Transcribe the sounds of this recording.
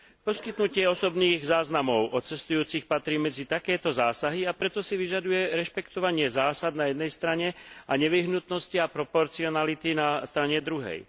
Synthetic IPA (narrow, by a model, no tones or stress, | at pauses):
pɔskit̪nucɪɛɔsɔbniːɣzaːznamɔʊʔɔt͡sɛst̪ujuːt͡sixpat̪ɾiːmɛd͡zit̪akɛːt̪ɔzaːsaɦiapɾɛt̪ɔsiʋiʒad̪ujɛɾɛʃpɛkt̪ɔʋaɲɪɛzaːsad̪najɛd̪nɛjst̪ɾaɲɛaɲɛʋiɦnut̪nɔsciapɾɔpɔɾt͡siɔnalit̪inast̪ɾaɲɛd̪ɾuɦɛ̰j